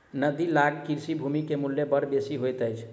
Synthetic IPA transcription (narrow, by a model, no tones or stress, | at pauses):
nəd̪ilaɡkiɾsibʱumikemulːebəɽbesiɦojt̪əjt͡ʃʰ